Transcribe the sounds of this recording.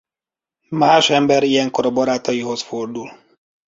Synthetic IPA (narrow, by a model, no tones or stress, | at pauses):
maːʃɛmbɛɾijɛŋko̞ɾɒbɒɾaːt̪ɒjiɦo̞sford̪ul